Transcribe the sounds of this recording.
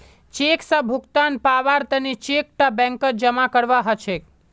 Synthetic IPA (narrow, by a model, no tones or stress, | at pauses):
t͡ʃeksəbʱʊkt̪anpaʋaɾt̪ənit͡ʃek̚ʈabɛ̃ŋkəd͡ʒəmakəɽʋaɦət͡ʃʰe